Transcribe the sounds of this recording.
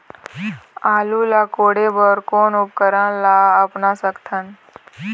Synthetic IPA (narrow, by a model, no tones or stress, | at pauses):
aːlulaːkoːɽebəɾkoːnʊp̚kəɾãːlaəpnasəkt̪ʰən